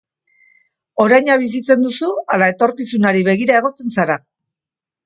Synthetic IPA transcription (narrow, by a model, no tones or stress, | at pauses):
o̞ɾajɲaβ̞is̬it͡se̞nd̪usualae̞t̪o̞ɾkisunaɾiβe̞ɣ̞iɾae̞ɣ̞o̞t̪e̞nsaɾa